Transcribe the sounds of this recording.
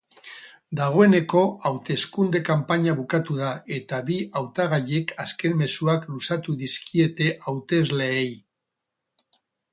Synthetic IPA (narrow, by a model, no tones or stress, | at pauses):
d̪aɣ̞o̞e̞ne̞ko̞awt̪e̞skund̪e̞kampaɲaβukat̪uðae̞t̪aβiawt̪aɣ̞aʎe̞kaske̞nme̞suaklusat̪uðiskie̞t̪e̞ʔawt̪e̞zle̞ej